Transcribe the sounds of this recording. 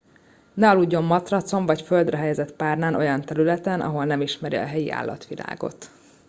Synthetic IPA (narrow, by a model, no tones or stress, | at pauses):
nɛɒluɟːo̞mːɒt̪rɒt̪so̞ɱvɒcføld̪rɛɦɛjɛzɛt̪paːrnaːnʔo̞̰jɒnt̪ɛɾylɛt̪ɛnʔɒ̰ɦo̞lnɛmiʃmɛɾiɒ̰ɦɛjiʔa̰ːlːɒ̰t̪ʋila̰ːɡo̞̰t̪